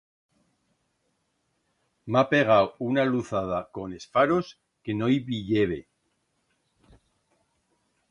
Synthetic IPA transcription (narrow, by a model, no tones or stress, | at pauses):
mapeɣ̞awunaluθað̞ako̞ne̞sfaɾo̞s | ke̞nojβiʎeβe